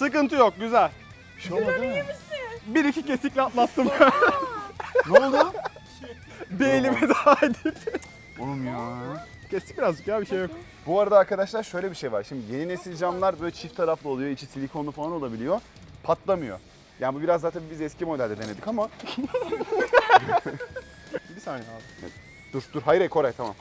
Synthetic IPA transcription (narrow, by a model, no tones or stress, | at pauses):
sɯkɯnt̪ʰɯjo̞k̚ɟyzælʲ | ʃoaɯm | biɾicʰicesicʲlʲiat̪lˠat̪ːɯmkʰ | nolˠd̪u | d̪ejilʲimɛd̪ad̪it | omja | cʰɛsi̥c̚biɾazd͡ʒɯk̚zælʲbiʃejːok | buaɾad̪aːɾkad̪aʃlˠaɾʃø̞jlʲebiʃe̞jvaɾʃimd̪ije̞ninesilʲd͡ʒamlˠaɾbølʲt͡ʃʰift̪ʰaɾaflˠaolˠujo̞it͡ʃʰisilʲikʰo̞nˠufalˠanoabilʲijo̞ | pʰat̪ʰlˠamɯjo̞̰ | jaːnibubiɾazd̪aːt̪ʰanibizɛscʰimo̞d̪ælʲd̪ɛd̪ene̞d̪ikama | bisaːnɛaɛ̰ | d̪̥uɾd̪uɾɦajɾɛjkʰo̞ɾajt̪ʰama̰m